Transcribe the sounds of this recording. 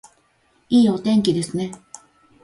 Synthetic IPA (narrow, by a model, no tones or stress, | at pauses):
iːot̪ẽ̞ŋk̬ʲid̪e̞sɨne̞